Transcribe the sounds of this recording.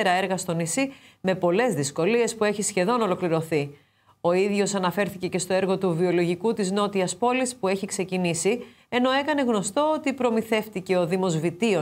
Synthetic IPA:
ɾɐe̞ɾɣɐst̪o̞nisime̞po̞le̞zðisko̞lie̞spue̞çisçe̞ðo̞no̞lo̞kliɾo̞θi | o̞iðʝo̞sɐnɐfe̞ɾθice̞ce̞st̪o̞e̞ɾɣo̞t̪uvio̞lo̞ʝikut̪izno̞t̪iɐspo̞lispue̞çikse̞cinisi | e̞no̞e̞kɐne̞ɣno̞st̪o̞ot̪ipɾo̞miθe̞ft̪ice̞o̞ðimo̞zvit̪io

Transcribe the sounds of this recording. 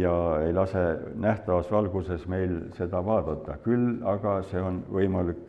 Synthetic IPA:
jɑe̞jlɑse̞næht̪ɑvɑsvɑlɡ̥use̞sme̞jlse̞d̪̥ɑvɑːd̪̥ɑt̪ːˑɑkylɑɡ̥ɑse̞o̞nvɤjmɑlikː

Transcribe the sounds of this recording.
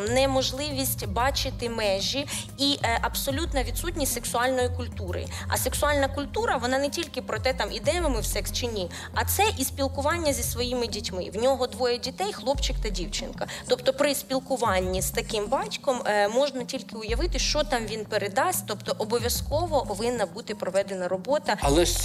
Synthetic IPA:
nɛmɔʒlˠɪʋʲisʲtʲbɑt͡ʃɪt̪ɪmɛʒʲi | iʔʔɐbsɔlʲut̪nɐʋʲid̪sutʲnʲisʲtʲseksʊɑlʲnɔjikʊlʲt̪uɾɪ̰ɐ̰seksʊɑlʲnɐkʊlʲt̪uɾɐʋɔnɑnetʲilʲkɪpɾɔt̪ɛt̪ɑmʔid̪ɛjɐmɐmɪwsɛkst͡ʃɪnʲi | ɐt̪sɛʔispʲilˠkʊʋɑnʲːɐzʲisʋɔjimɪdʲitʲmɪ̰ʋnʲɔɦɔd̪ʋɔjɐdʲit̪ɛjxlˠɔpt͡ʃɪkt̪ɐdʲiwt͡ʃɪ̰nkɐt̪ɔpt̪ɔpɾɪspʲilˠkʊʋɑnʲːiz̥t̪ɐkɪmbɑtʲkɔmmɔʒnɐtʲilʲkɪʊjɐʋɪt̪ɪʃt͡ʃɔt̪ɑmʋʲinpeɾed̪ɑsʲt̪ɔpt̪ɔʔɔbɔʋʲjɐskɔʋɔpɔʋɪnːɐbut̪ɪpɾɔʋɛd̪enɐɾɔbɔt̪ɐɐlˠɛ

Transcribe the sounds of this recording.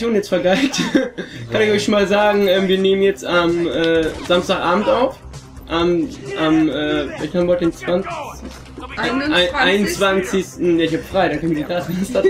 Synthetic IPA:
joːnjɛt͡stfɛɐɡaɪtkʰanɪçɔçʃoːnmaːlzaːɡŋ̩ʔɛːmviːɐneːmənjɛt͡stamʔɛːz̥amstaːxʔaːbm̩tʔaʊf | ʔamʔamʔɛːflɛaçthaːmhɔtdɪnt͡sv̥an | ɪaɪnnt͡sv̥ant͡sɪçstn̩jaːɪçhaːbəfʁ̥aɪdankʰœnviɐdiːdaːtanasa

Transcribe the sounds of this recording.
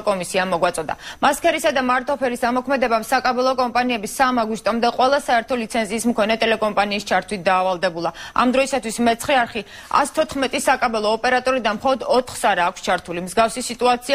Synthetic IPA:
kʼɔmisiamɔɡwat̪sʼɔd̪a̰maskʰɛɾisad̪amaɾt̪ʰɔpʰɛɾisamɔkʰmɛd̪ɛbamsakʼabɛlˠɔkʼɔmpʼaniɛbisamaɡwist̪ʼɔmd̪ɛqʼwɛlˠasaɛɾt̪ʰɔlit̪sʰɛnziːsmkʰɔnɛt̪ʼɛlɛkʼɔmpʼaniːst͡ʃʰaɾt̪ʰwit̪̚ʰd̪aːvalˠd̪ɛbulˠaa̰md̪ɾɔisat̪ʰwismɛt̪sʰχɛaɾχi | a̰st̪ʰɔt̪ʰχmɛt̪ʼisakʼabɛlˠɔːpʼɛɾat̪ʼɔɾid̪anmχɔlˠɔd̪ɔt̪ʰχsaɾaːkʰʷst͡ʃʰaɾt̪ʰulimzɡafsisit̪ʼuat̪sʰi

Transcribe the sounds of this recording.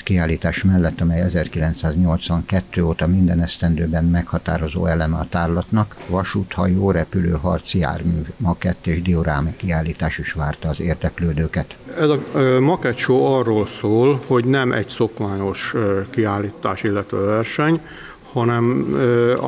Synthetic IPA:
kiaːlːiːt̪aːʃmɛlːɛt̪ːɒmɛjɛzɛrkilɛnt̪saːzɲo̞lt̪sʋɒŋkɛt̪ːøːoːt̪ɒmind̪ɛnɛst̪ɛnd̪øːbɛnmɛkhɒt̪a̰ːɾo̞zo̰ːɛlɛmɛɒt̪aːrlɒt̪nɒkʋɒʃuːt̪hɒjoːɾɛpyløːɦɒ̰rt̪sia̰ːrmyːvmɒkɛt̪ːeːʒd̪ioɾaːmkiaːlːiːt̪aːʃiʃʋaːrt̪ɒːzeːrd̪ɛkløːd̪øːkɛt̪ɛzɒmɒkɛt̪ʃoːɒrːoːlsoːlho̞ɟnɛmʔɛ̰ɟsokmaːɲo̞ʃkiaːlːiːt̪aːʃilːɛt̪ʋɛvɛrʃɛɲ | hɒnɛm

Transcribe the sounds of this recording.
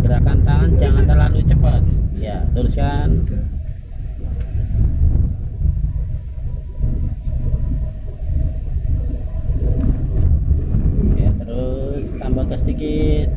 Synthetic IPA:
ɡəɾakant̪aŋand͡ʒaŋant̪ərlalut͡ʃəpət̪̚jaluɾuskan | ja̰t̪əɾʊst̪ambat̪əsəd̪ikɪt̪̚

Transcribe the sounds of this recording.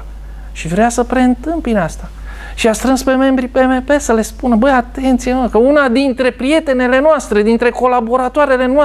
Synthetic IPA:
ʃivɾeasəpɾe̞ɨnt̪ɨmpinast̪a | ʃiast̪ɾɨnspe̞me̞mbɾipemepe̞səle̞spunəbəjat̪e̞nt̪siekəunad̪int̪ɾe̞pɾije̞t̪e̞ne̞le̞noast̪ɾe̞d̪int̪ɾe̞ko̞labo̞ɾat̪oaɾe̞le̞noa

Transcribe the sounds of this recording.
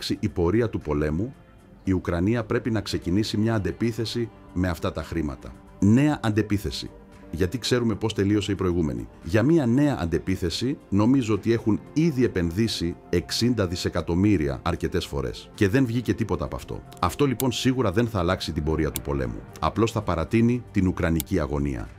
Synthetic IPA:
ksiʔipo̞ɾiɐt̪upo̞le̞mu | iukɾɐniɐpɾe̞pinɐkse̞cinisimɲɐːnd̪e̞piθe̞si | me̞ɐft̪ɐt̪ɐxɾimɐ̰t̪ɐ | ne̞ɐʔɐnd̪e̞piθe̞sḭ | ʝɐt̪ikse̞ɾume̞po̞st̪e̞lio̞seipɾo̞iɣume̞̰nḭʝɐmiɐne̞ɐʔɐ̰nd̪e̞piθe̞sino̞mizoot̪ie̞xuniðie̞pe̞nðisie̞ksind̪ɐðise̞kɐt̪o̞miɾiɐ̰ɐɾce̞t̪e̞sfo̞̰ɾe̞̰sce̞ðe̞nvʝice̞t̪ipo̞t̪ɐːpɐ̰ft̪o̞̰ | ɐft̪o̞lipo̞nsiɣuɾɐðe̞nθɐːlɐksit̪ibo̞ɾiɐt̪upo̞̰le̞̰mṵɐ̰plo̞sθɐpɐɾɐt̪init̪inukɾɐniciɐɣo̞̰nḭɐ̰

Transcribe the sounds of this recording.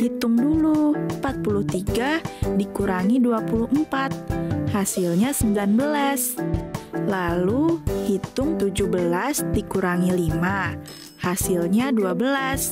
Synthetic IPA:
hit̪ʊŋdulumpat̪̚puluht̪iɡadikuɾaŋiduapuluhmpat̪̚hasilɲasəmbilanbəlas | laluhit̪ʊŋt̪ud͡ʒuhbəlasdikuɾaŋilima | hasilɲaduabəlas

